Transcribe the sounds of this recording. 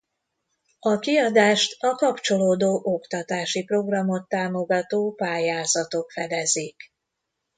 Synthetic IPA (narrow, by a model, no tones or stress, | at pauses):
ɒkiɒd̪aːʃt̪ɒkɒpt͡ʃo̞loːd̪oːʔokt̪ɒt̪aːʃipro̞ɡrɒmo̞t̪ːaːmo̞ɡɒt̪oːpaːjaːzɒt̪o̞kfɛd̪ɛzik